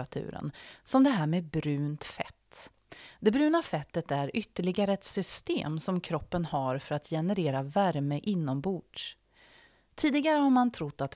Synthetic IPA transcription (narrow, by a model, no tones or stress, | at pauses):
at̪ʰʉ̰ːɾə̰nsɔmd̪ɛɦæːɾmeːbɾʉ̟ːnt̪fɛ̰t̪ː | d̪ɛbɾʉ̟ːnafɛt̪ːət̪æɾʏt̪ːəɭɪɡaɾəɛt̪sʏst̪ḛːmsɔmkʰɾɔpːənhaɾfœɾat̪ʰjɛnəɾeːɾavæɾməʔɪnːɔmbuːɖ | t̪ʰiːd̪ɪɡaɾəhaɾmant̪ʰɾʊt̪ːat̪